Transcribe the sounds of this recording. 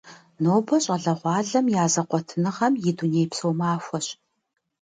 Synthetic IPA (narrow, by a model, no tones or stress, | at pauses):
noːbɐɕʼɐɮɐʁʷɑːɮɐmjaːzɐqʷɔtʰɨnɨʁɐmjɪduneːjpsowmaːxʷɔɕ